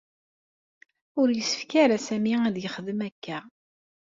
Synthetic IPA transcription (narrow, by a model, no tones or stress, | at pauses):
ʊɾjəsːə̥fkaɾæsæmiæðjəχəðəmækʰːæ